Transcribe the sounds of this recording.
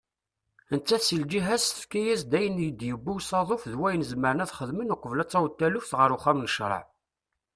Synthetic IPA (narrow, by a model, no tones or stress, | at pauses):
ənt͡s̪ːæθsəld͡ʒiɦæzə̥fkijæzd̪æjənjəd̪jəbːuwsɑðˤofðwæjənəzməɾənæðχəðmənʊqːəvlæt͡sːɑwt̪ːælufθʁəɾʊχæmnəʃɾˤə̰ʕ